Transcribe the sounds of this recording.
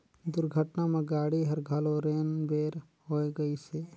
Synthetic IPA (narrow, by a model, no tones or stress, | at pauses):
d̪ʊɾɡʱəʈnamẽɡaːɽiɦəɾɡʱaloɾeːnbeːɾ | ɦoːeɡəiseː